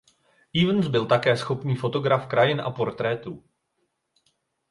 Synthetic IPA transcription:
ʔiːvn̩sbɪlt̪akɛːsxo̞pniːfo̞t̪o̞ɡɾafkɾajɪnʔa̰po̞ɾt̪ɾɛːt̪uː

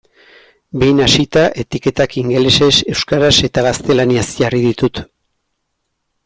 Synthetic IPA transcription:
be̞jnasit̪aʔe̞t̪ike̞t̪akiŋɡe̞lese̞se̞wskaɾase̞t̪aɣast̪e̞laniasʝariðit̪ut̪

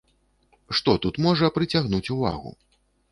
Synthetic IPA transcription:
ʂt̪ɔt̪ut̪mɔʐɐpɾɨt͡sʲaɣnut͡sʲuva̰ɣṵ

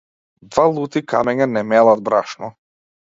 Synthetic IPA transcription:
d̪valˠut̪ika̰mɛɲanɛmɛlˠad̪̚bɾaʃnɔ

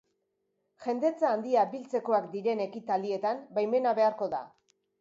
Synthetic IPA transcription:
ʝe̞nd̪e̞t͡saːnd̪iabilt͡se̞ko̞akd̪iɾe̞ne̞kit̪ald̪ie̞t̪ambajme̞naβe̞aɾko̞ða̰

